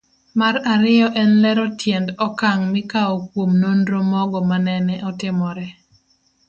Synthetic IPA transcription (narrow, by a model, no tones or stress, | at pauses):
maɾaɾɪjɔʔɛnlɛɾɔtjendɔkaŋmɪkaokwomnondɾomɔɡɔmanɛnɛʔɔtɪmɔɾɛ